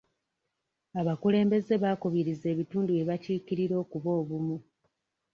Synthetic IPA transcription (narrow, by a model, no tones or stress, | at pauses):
aβakule̞ːmbe̞ze̞βakuβiɾize̞ːβituːndue̞βaciːkiɾiɾo̞ːkuβo̞ːβumu